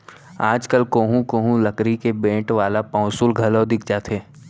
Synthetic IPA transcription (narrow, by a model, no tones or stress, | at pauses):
aːd͡ʒkəlkoːɦũkoːɦũlɐkɾikebẽːʈʋaːlapɔ̃ːʊsulɡʱɐlod̪ɪk̚ʰd͡ʒaːt̪ʰeː